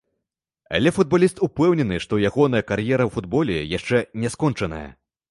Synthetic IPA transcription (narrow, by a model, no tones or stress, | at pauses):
a̰lʲɛfud̪̚balʲist̪upɛwnʲɛnɨʂt̪ɔjaɣɔnɐjɐkarjɛɾɐwfud̪bɔlʲɛjaʂt͡ʂɛnʲɛskɔnt͡ʂɐnɐ̰jɐ̰